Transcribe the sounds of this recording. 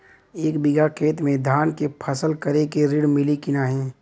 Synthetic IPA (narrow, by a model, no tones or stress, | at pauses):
eːkbɪɡakʰeːt̪mẽd̪ʱaːnkepʰəsəlkəɾekeɾɪɽmɪlikɪnaɦɛː